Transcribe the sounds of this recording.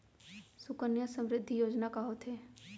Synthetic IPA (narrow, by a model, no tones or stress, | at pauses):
sʊkənjasə̃mɾɪd̪ʱːijoːd͡ʒnakaɦoːt̪ɦeː